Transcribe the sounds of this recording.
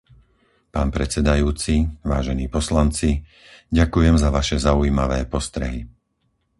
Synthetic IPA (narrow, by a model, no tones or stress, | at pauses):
paːnpɾɛt͡sɛd̪ajuːt͡siʋaːʒɛniːpɔslant͡si | ɟakujɛmzaʋaʃɛzauiːmaʋɛːpɔst̪ɾɛ̰ɦi